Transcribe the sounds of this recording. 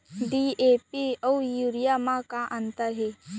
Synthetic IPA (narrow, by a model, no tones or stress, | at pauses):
ɖieːpiɔwjuːɾijamãkaʔə̃nt̪əɾɦe